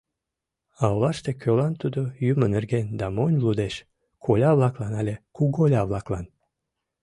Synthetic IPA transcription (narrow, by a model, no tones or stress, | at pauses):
ɑwlˠɑʃt̪ekʲʰølɑnt̪ud̪ojymənerɡend̪ɑmonʲlˠud̪eʃ | kʰolʲɑβlˠɑklɑnɑlʲekuɡolʲɑβlˠɑklˠɑn